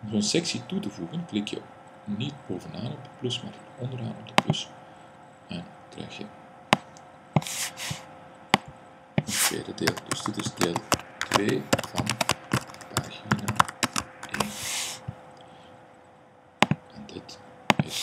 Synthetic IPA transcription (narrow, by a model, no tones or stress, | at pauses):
ɔmzoːnsɛksitutəvuɣənklɪkjə̰ | nit̚boːvənaːnɔb̚dət̚plɵsma̰ːrətɔndəɾa̰ːnɔb̚dəplɵs | ɛn | krɛ̰jxjə̰ | əntʋḛːdədeːlˠd̥ɵzdɪtɪzdeːlˠtʋeːv̥ɑn | pa̰ːɣina | ʔeːn | ʔɛndɪt | ɪs